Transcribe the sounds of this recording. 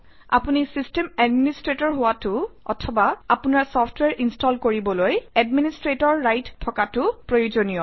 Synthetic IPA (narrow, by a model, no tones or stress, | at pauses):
a̰punisistemɛdministɹetɔɹɦʊwatʊɔ̰tʰɔbaapʊnaɹsɔpʰtʰwɛɹʔinstɔlkoɹibɔlojɛdministɹetɔɹːajttʰːɔkatʊpɹojuzonijɔ